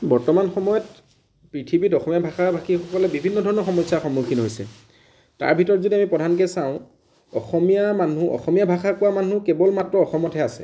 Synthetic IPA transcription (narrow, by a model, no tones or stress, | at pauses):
bɔɹtɔmanxɔmɔjɔt | pɹitʰibitɔxɔmijabʱaxabʱakixɔkɔlɛbibʱinːɔdʱɔɹɔnɔxɔmɔsaxɔmːukʰinɦojsɛ̰ | ta̰ɹbʱitɔɹɔtzodiamipɔdʱank̬ɛsaʊ̃ | ɔ̰xɔmijamanuɔ̰xɔmijabʱaxakʊwamanukɛbɔlmatɹɔɔxɔmɔtʰɛasɛ̰